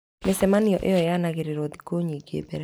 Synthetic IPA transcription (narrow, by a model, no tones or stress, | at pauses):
mesɛmaniɔʔejɔjanaɣɪɾeɾod̪i̥koɲiɡḛbeɾɛ